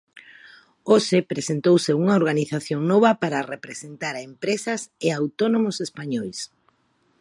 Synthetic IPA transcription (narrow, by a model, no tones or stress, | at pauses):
oʃepɾesent̪owseuŋɐoɾɣaniθaθjoŋnɔβɐpaɾɐrepɾesent̪aɾaempɾesɐseawt̪onomosespaɲɔjs